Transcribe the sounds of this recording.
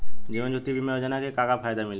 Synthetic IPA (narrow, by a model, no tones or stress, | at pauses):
d͡ʒibənd͡ʒut̪ːibimeod͡ʒənakekakapʰajd̪amil